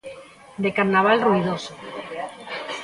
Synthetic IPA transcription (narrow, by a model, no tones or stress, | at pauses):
d̪ekaɾnaβ̞alruið̞oso